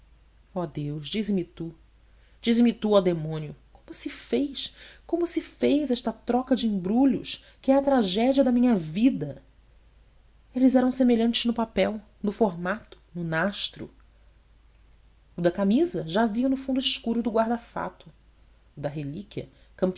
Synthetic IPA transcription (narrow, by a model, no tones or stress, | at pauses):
ɔd̪ewʃd͡ʒizɪmɪt̪u | d͡ʒizɪmɪt̪uad̪emõnjʊkõmʊsɪfejskõmʊsɪfejzɛʃt̪ɐt̪ɾɔkɐd͡ʒɪĩbɾuʎʊ̰ʃ | kɪɛɐt̪ɾaʒɛd͡ʒiɐd̪ɐmĩɲɐvid̪ɐ | elɪzɛɾɐ̃w̃semeʎɐ̃nt͡ʃɪznʊpapɛw | nʊfoɦmat̪ʊ̥nʊnaʃt̪ɾʊ̰ | ʊd̪ɐkamizɐʒaziɐnʊfũnd̪ʊiʃkuɾʊd̪ʊɡwaɾd̪afa̰t̪ʊː | d̪ɐɦelikiɐ̰ | kɐ̃mp